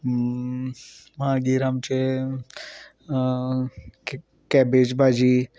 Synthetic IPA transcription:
mãɡiːɾamt͡ʃe | kɛbed͡ʒbʱaːd͡ʒi

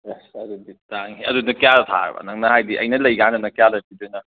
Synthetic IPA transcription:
ɐduditaŋiɐ̰dunɐkijadt̪ʰa̰ɾ̰bɐ̰nɐŋnɐhajdiʔɐ̰jnɐlɐjɡandɐnɐkijalɐtidɯjnɐ

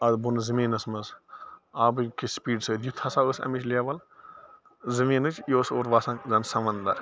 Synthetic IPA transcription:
ɐd̪bunɨzɨmiːnɐsmɐs | aːbɨkispiːɖsɐd̪jut̪ʰɐsaəsɐ̰mit͡ʃʰʲlʲaʋɐl | zɨmiːnɨt͡ʃʰjoːsoːɾʋaːsɐ̃ŋzɐnsɐʋɐnd̪ɐ̰ɾ

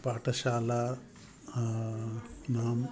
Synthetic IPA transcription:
paːʈɐʃaːla | naːm

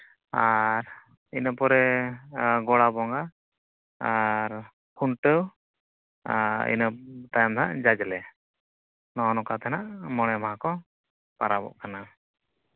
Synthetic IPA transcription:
aɾ | inəpɔɾɛ | ɡɔɽabɔŋɡaː | ɾ | kʰuɳʈəw | aḭnət̪ajɔmd̪ʱa̰ʔd͡ʒad͡ʒlɛ | nɔnɔkat̪ɛnaʔmɔɽ̃ɛmaɦãkɔ | paɾabɔ̰ʔkana

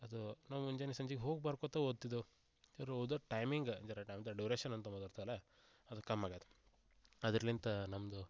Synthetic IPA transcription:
ɐd̪unaːʋuuɲd͡ʒɐnisɐɲd͡ʒiɡeɦoːɡbaːɾkot̪ɐoːd̪̚t̪ːid̪u | ɐɾɐwd̪ɐʈɐjmiŋɡɐɲd͡ʒɐɾɐʈɐjmd̪ɐɖjuːɾeːʃɐnɐnt̪̬ɐmɐd̪aɾt̪alɐ | ɐd̪ukɐmːaːɡad̪ɐ̥ | ɐd̪ɐɾelint̪ɐnɐmd̪u

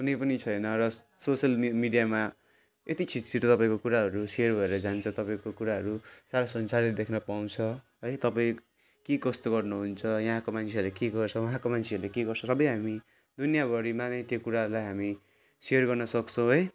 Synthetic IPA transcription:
kunʌjpʌnit͡sʰʌjnʌrʌ | sosʌlmiɖijama | et̪it͡sʰit̪siʈot̪ʌpaĩkokuɾaɦʌɾusejʌrbʱʌeɾʌd͡zant͡sʰʌ̃t̪ʌpaĩkokuɾaɦʌɾusaɾasʌnsaɾitd̪ekʰnʌpaw̃t͡sʰʌ | ɦʌjt̪ʌpaĩ | kekʌst̪oɡʌrnuɦunt͡sʰʌjʌ̃ɦãkomant͡sʰeʌɾlekeɡʌrt͡sʰʌwʌɦãkomant͡sʰeʌɾlekeɡʌrt͡sʰʌ̃sʌbʌjɦami | d̪unjabʱʌɾimanʌt̪jokuɾaɦɾulajɦami | seʌrɡʌrnʌsʌkt͡sʰʌ̃w̃ɦʌj

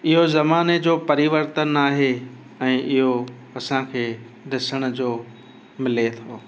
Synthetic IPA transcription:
ɪɦozɐmaːned͡ʑoːpɐɾiʋəɾt̪ənaːɦe | ɛ̃ːʔɪɦo | ɐsãkʰeː | ɖɪsəɽ̃ʊ̆d͡ʑoː | mɪlet̪ʰoː

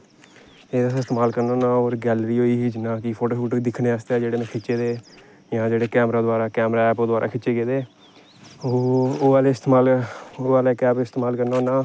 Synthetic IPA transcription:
eːd̪asːɪst̪eːmaːlkəɾnoːnãːoːɾɡɛːlɾiːɦoːiːɦiːd͡ʒɪnaːkɪpʰoːʈoːʃuːʈːd̪ɪkʰnẽːəst̪ɛːd͡ʒeːɽeːmẽːkʰɪt͡ʃt͡ʃeːd̪eː | jãːd͡ʒeːɽeːkɛːmɾaːd̪ʊaːɾaːkɛːmɾaːɛːpoːd̪aːɾa̰ːkʰɪt͡ʃːeːɡeːd̪eː | ooːaːleːɪst̪eːmaːloːaːleːkɛːbɪst̪eːmaːlkəɾnaoːnãː

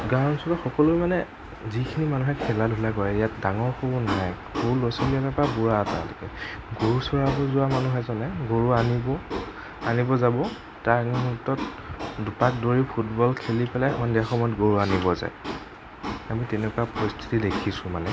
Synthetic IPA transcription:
ɡaɹɔnsɔtɔxɔkɔlʊmanɛ | zikʰinimanuɦɛkʰɛladʱulaɡɔjɛijat̚daŋɔɹxubɔnaɦaj | ɡuɹlɔsɔliatapabuɹata̰lkɛ̰ɡoɹusɔɹabɔzʊwamanuɦɛzɔnɛɡoɹuanibɔ | anibɔzabɔ | taɹnumutːɔt | dupak̚doɹipʰutbɔlkʰelipɛlajxɔndiaxɔmɔjɔt̚ɡoɹuanibɔza̰j | amitɛnɛkuapɔɹistʰi̥tidekʰisʊ̃manɛ

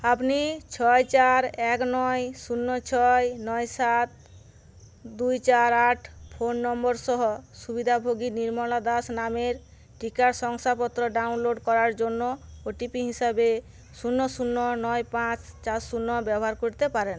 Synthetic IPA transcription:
apnit͡ɕʰɔjt͡ɕaɾɛknɔjsunːɔt͡ɕʰɔjnɔjsat̪̚ | d̪ujt͡ɕaɾaʈʰpʰonːɔmbɔɾʃɔɦɔsubid̪ʱabʱoɡiniɾmɔlad̪asnameɾ | ʈikaɾsɔŋsapɔt̪ːɾɔɖaunloɖkɔɾaɾd͡ʑonːooʈipiɦisabe | sunːɔsunːɔnɔjpãt͡ɕt͡ɕaɾsunːɔbɛbɔɦaɾkoɾt̪epaɾen

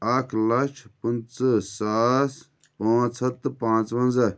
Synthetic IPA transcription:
aːkʰlɐt͡ʃʰpunt͡sɨsaːs | pãːt͡sʰɐt̪pãːt͡sʋɐnzɐ

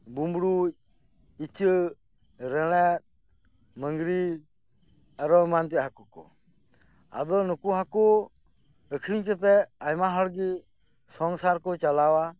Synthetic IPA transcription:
bumbɽuc̚ | it͡ʃə | ɾɛɽ̃ɛt̪̚ | məŋɡɾi | aɾɔmant̪̬ɛʔɦakukɔ̰ | a̰d̪ɔnukuɦakɔ | əkʰɾiɲkət̪̬ɛajmaɦɔɽɡi | sɔŋsaɾkɔt͡ʃalawa

